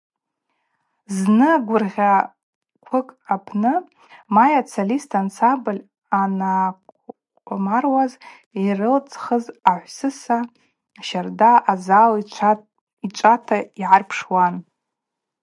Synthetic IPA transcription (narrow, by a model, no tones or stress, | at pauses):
znɨɡʷʊrʁʲa | kʷʰʊkʼapʰnɨ | majat͡sʰalistʰant͡sʰabɨlʲ | ana | marwaz | irɨlt͡sʼχəzaħʷsɨsa | aʃardaʔazal | it͡ʃʷʼatʰaiʕarpʰʂwan